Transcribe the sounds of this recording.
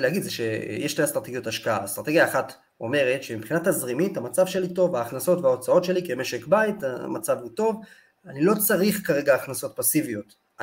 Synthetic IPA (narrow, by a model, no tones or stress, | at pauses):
leaɡid̪zeʃḛjeʃliastʁat̪eɡjotaʃkaa̰ast̪ʁat̪e̞ɡjaːχat | o̞me̞ʁetʃe̞mipχinatazʁimithamat͡savʃe̞lito̞vaːχnaso̞tveao̞t͡sao̞tʃe̞likeme̞ʃe̞kbaitamat͡savuto̞v | anilo̞t͡saʁiχkaʁe̞ɡaːχnaso̞t̚pasivijo̞t